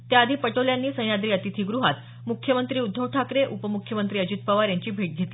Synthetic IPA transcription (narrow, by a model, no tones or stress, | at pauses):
t̪jaəd̪ʱiːpəʈoljanːiːsə̃j̃ad̪ɾiːət̪it̪ʰiːɡɾuɦat̪ | mukʰjəmənt̪ɾiːud̪ʱːəʋʈʰakɾeʔupəmukʰjəmənt̪ɾiːəd͡ʑit̪̚pəʋaɾjaɲt͡ɕiːbʱeʈ̚ɡʱet̪i